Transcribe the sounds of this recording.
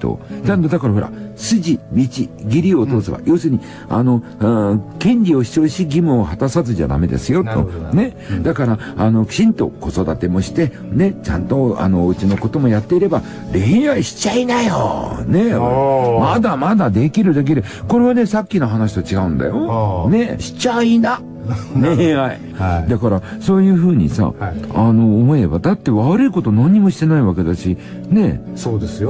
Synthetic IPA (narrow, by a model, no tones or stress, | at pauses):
t̪o̰nand̪od̪akaɾaɦo̞ɾa̰sɨʑimʲit͡ɕiɡʲiɾʲiot̪o̞ːsɨβa̰jo̞ːsɨːɲ̟i | a̰no̞ | kẽ̞ɲʲɾʲio̞ɕi̥o̞ːɕiɡʲimɯ̟ohat̪asazɨʑa̰d̪a̰me̞d̪ḛsɨjo̞t̪ːo̞̰ne̞ | d̪akaɾaːno̞̥ɕĩnt̪o̞̰ko̞so̞d̪at̪e̞mo̞ɕi̥t̪e̞ | ne̞t͡ɕã̰nt̪o̞a̰no̞ɯ̟t͡ɕino̞ko̞t̪o̞mo̞jat̪ːe̞iɾe̞ba | ɾe̞ĩβaɕi̥t͡ɕainajo̰ne̞mad̪amad̪ad̪e̞kʲiɾɯ̟d̪ek̬id̪e | ko̞ɾe̞β̞ane̞sakʲːino̞ɦanaɕi̥t̪ot͡ɕiɡaɯ̟̃nd̪a̰jo̞ne̞ɕi̥t͡ɕaina | nehai | d̪akaɾaso̞ːjɯ̟ːɸɯ̟ːɲ̟ḭsa̰ano̞ːmo̞eba̰d̪at̪ːe̞βaɾɯ̟iko̞t̪o̞nãɲ̟ːimo̞ɕi̥t̪e̞naiβake̞d̪aɕi | ne̞soːd̪esɨjo